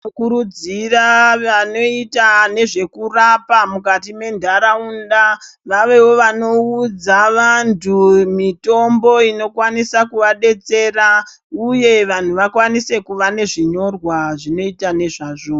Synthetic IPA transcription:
kuɾud͡ziraʋano̞itane̞ʐe̞kurapamukatime̞ndʱaɾaunda | ʋaʋe̞wo̞ʋano̞ud͡zaʋantʰumito̞mbo̞ino̞kwanisakuʋaɗe̞t͡se̞ːra | uje̞ʋan̤uʋakwanise̞kuʋane̞ʐiɲo̞rwaʐino̞itane̞ʐaʐo

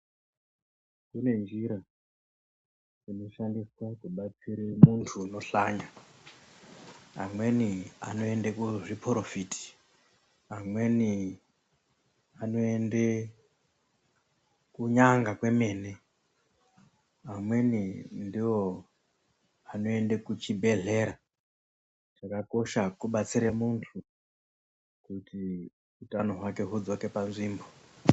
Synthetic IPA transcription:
kune̞nd͡ʒiɾa | d͡zino̞ʃandiswakuɓat͡siɾemuntʰuno̞ɬaɲa | a̰mwe̞nia̰no̞e̞ndekuʐiprofiti̥ | amwe̞ni | ano̞e̞nde | kuɲaŋɡakwe̞me̞ːne̞ | amwe̞nindiwo̞ | ano̞e̞ndekut͡ʃibʱe̞ɮe̞ɾa | ʐakako̞ʃakuɓat͡siɾemuntʰu | kuti | utano̞ɦwake̞ɦud͡zo̞ke̞panziːmbo

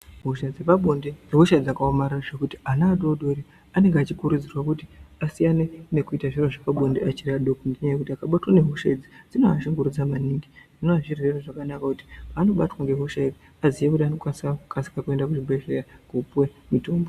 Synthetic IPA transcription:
ɦoʃad͡zepaɓondeneɦoʃad͡zakaomararaʐe̞kuti̥anaːdo̞ɗo̞ɾi | ane̞ŋɡeat͡ʃikuɾud͡zirwakutiasijanene̞kuitaʐiroʐapaɓo̞ndeʔat͡ʃiɾaɗokundiɲajekutiakaɓatwane̞ɦoʃed͡zid͡zinoaʃiŋɡuɾud͡zamaniːŋɡiʐinoaʐireroʐakanakakuti̥paːno̞ɓatwaŋɡeɦoʃaid͡zi | azijekutianokwasakʰasi̥kakue̞ndakut͡ʃibeʃerakupwemito̞ːmbo

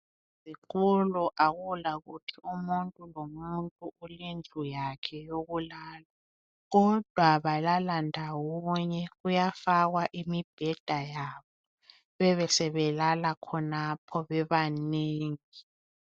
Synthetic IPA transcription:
zik̬uluʔaɣulaɣutʰiumuntʼulomuntʼuʔulend͡ɮʱujakʰɛjoɣulaːlwa | ɣɔd̥ʱwaβalalandʱawɔɲɛɣujafaɣwaʔimib̥ʱɛd̥ʱajaβɔ | βɛβɛsɛβɛlalakʰɔnapʰɔβɛβaneːŋi

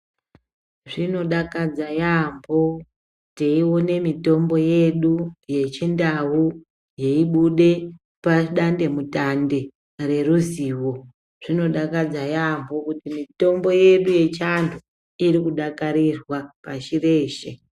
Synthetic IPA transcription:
ʐino̞ɗakad͡zajambo̞ | teiwo̞ne̞mito̞mbo̞je̞ɗuje̞t͡ʃindau | je̞iɓuɗe̞ | paɗande̞mutande̞ | re̞ruziːwo̞ | ʐ̥ino̞ɗakad͡zajambo̞kutimito̞mbo̞je̞ɗuje̞t͡ʃantʰu | iɾikuɗakaɾirwapaʃire̞ːʃe

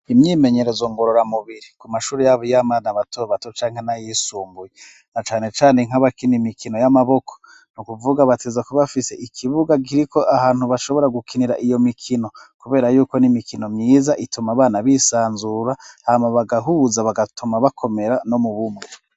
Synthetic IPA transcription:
imɲiːme̞ɲe̞ɾezoŋɡo̞ɾoɾamuβiɾikumaʃuːɾejaβojamanaβatoβatot͡ʃaːŋhenajisuːmbuje | nat͡ʃaːne̞t͡ʃaːneŋ̥aβakinimikʰino̞jamaβo̞kʰo̥ | nukuvuɡaβatʰezakuβafise̞ʔikʰiβuɡaɡiɾikʰoʔaɦaːn̥huβaʃo̞βo̞ɾaɡukʰiniɾa̰ʔijo̞mikʰino̞kuβe̞ːɾajuːko̞nimikʰino̞mɲiːzaʔitumaβaːnaβisaːnzuɾahamaβaɡaɦuːzaβaɡatʰumaβakʰo̞me̞ɾano̞muβumweɾo

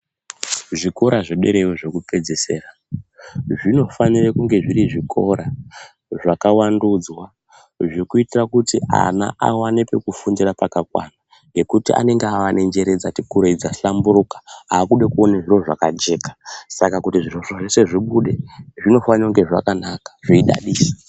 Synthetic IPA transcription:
ʐiko̞ɾaʐoɗe̞̰ɾewoʐekupe̞d͡zese̞̰ːra | ʐino̞fanirekuŋɡe̞ʐiɾiʐikʰo̞ɾa | ʐakawanduːd͡zwa | ʐikuitirakutiʔa̰na̰ʔa̰wanepe̞kufundirapakakwa̰na | ŋɡe̞kutiʔa̰ne̞ŋɡeaʋane̞nd͡ʒe̞ɾe̞d͡zatikuɾeid͡zaɬamburukḁaːkuɗekuonaʐiro̞ʐakad͡ʒe̞kḁsakakutiʐiroʐoʐese̞ʐiɓuɗe̞ʐino̞fanauŋɡe̞ʐakanakḁʐ̥eiɗa̰ɗiːsḁ

